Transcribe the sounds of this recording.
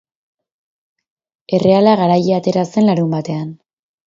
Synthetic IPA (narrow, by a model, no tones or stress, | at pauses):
e̞re̞alaɣaɾajeat̪e̞ɾase̞nlaɾumbat̪e̞an